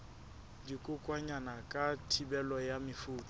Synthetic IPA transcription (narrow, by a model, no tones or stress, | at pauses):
dikʼʊkʼwaɲanakʼatʰibɛlɔjamɪfuːtʼɔ